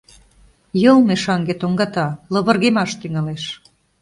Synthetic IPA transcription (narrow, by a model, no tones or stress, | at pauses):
jɤlˠmeʃɑŋɡet̪oŋɡɑt̪ɑlɤ̆βɤ̆rɣemɑʃt̪yŋɑleʃ